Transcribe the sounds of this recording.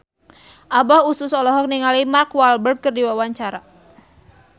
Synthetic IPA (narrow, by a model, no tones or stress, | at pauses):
ʔabahususɔlɔɦɔk̚niŋalimarkwalbər̚kərdiwawaɲt͡ʃaɾa